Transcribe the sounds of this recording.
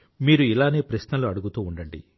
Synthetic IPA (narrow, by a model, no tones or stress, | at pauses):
miːɾuilaːneːpɾɐʃnɐluɐɽuɡut̪uːɳɖɐɳɖḭ